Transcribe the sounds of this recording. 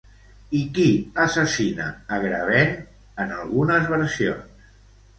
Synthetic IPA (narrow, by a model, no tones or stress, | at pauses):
ikiəsəsinə̰əɣɾəβen | ənəlˠɣunəzβəɾsio̰ns